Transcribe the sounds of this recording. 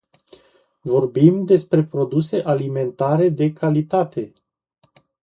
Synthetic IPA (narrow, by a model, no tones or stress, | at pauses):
vo̞rbimd̪e̞spɾe̞pɾo̞d̪use̞ʔalime̞nt̪aɾe̞d̪e̞kʰalit̪at̪e̞